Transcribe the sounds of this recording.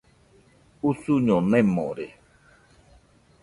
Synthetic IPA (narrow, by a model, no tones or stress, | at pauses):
usuɲɔnɛ̃mɔ̰̃ɾe